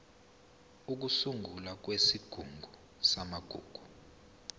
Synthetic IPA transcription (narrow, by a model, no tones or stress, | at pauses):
uk̬usuŋɡʱulak̬wesiɡ̥ʱuŋɡʱu | samaɡ̥ʱṵːɡ̥ʱu